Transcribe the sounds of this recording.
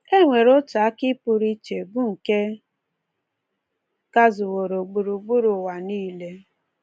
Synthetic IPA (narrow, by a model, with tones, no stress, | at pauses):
e˦ŋʷe˨ɾʊ˦ta˨a˦kɪ˦pu˦ɾi˦t͡ʃe˨bʊ˦ŋ̩˨ke˦ | ka˦zʊ˨wo˨ɾo˨ɡ͡bu˨ɾu˨ɡ͡bu˦ɾʊ˨wa˨niː˦le˦